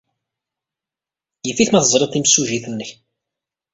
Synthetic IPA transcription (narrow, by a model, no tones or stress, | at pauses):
jəfiθmæθəzˤɾet̪ˤːimsuʒiθənːəç